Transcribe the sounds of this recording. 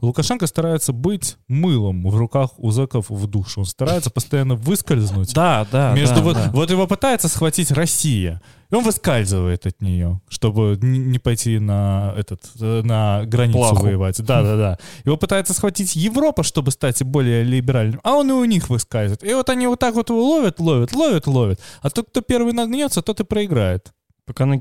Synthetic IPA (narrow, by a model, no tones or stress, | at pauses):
lˠʊkɐʂɛnkəst̪ɐɾajɪt̪səbɨtʲmɨlˠɨmvrʊkaxʊzɛkəfvd̪uʂɨo̞nst̪ɐɾajɪt̪sə̥pəst̪ɐjanːəvɨskəlʲznʊtʲd̪ad̪amʲeʐʊvovo̞t̪jɪvo̞pɨt̪ajɪt̪səsxvɐtʲitʲrɐsʲijə̰ | o̞nvɨskalʲzɨvəjɪt̪ɐt̪nʲɪjo̞ʂt̪o̞bɨnʲɪnʲɪpɐjtʲinɐɛ̰t̪ət̪nəɡɾɐnʲilˠsʊvəjɪvatʲd̪ad̪ad̪ajɪvo̞pɨt̪aɪt̪səsxvɐtʲitʲjɪvɾo̞pəʂt̪o̞bɨst̪atʲbo̞lʲɪjəlʲɪbʲɪɾalʲnɨmɐo̞nɨʊnʲixvɨskalʲzɨvɪt̪ɪvo̞t̪ɐnʲivo̞t̪ːakvo̞t̪ɨvolˠovʲət̪lˠovʲət̪lˠo̞vʲət̪lˠo̞vʲət̪ɐt̪ot̪̚kt̪o̞pʲe̞rvɨjnɐnʲot̪sət̪ot̪ɨpɾəɪɡɾajɪt̪ | pɐkana